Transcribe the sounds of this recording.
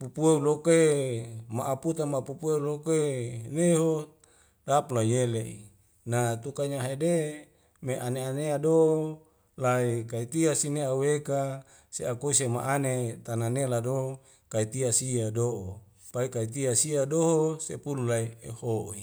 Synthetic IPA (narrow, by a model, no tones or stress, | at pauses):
pupueuloke | maʔaput̪amapupueulokoeneɦo | dapulaɲeleʔḭ | nat̪ukaɲaɦede | meʔaneaneado | laikait̪iasineaweka | seakoisema̰ʔanet̪ananelado | kait̪iasiadoʔo | paikait̪iasiadoɦosepululaiḛhoʔi